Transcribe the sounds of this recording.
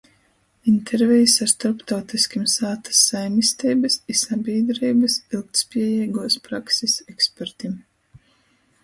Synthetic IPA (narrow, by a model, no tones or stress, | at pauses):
int̪ʰeɾvɛjisaɾst̪aɾpt̪awt̪iskʲimsaːt̪ḁsːajmʲist̪iːbɨsisabʲiːd̪ɾiːbɨsilˠk̚t̪spʲiɛjɛjɡuɔspɾaksesɛkspeɾt̪im